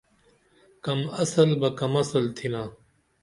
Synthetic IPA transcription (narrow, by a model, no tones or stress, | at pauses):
kɐmɐsɐlbɐkɐmɐsɐlt̪ʰinaː